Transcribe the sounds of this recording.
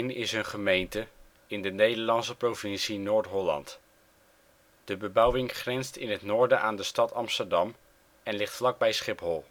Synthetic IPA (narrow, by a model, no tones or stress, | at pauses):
nɪsɦənχəmejntə | ɪndənejdəɹlɑnsəprovɪnsinʊːɹtɦɔlɑ̰nt | d̥əbəbʌwɪŋχrɛnstɪnɦətnʊːɹdəʔaːndəstɑtɑmstəɹdɑm | ɛnlɪχtflɑɡ̚bɛjsχɪpɦɔlˠ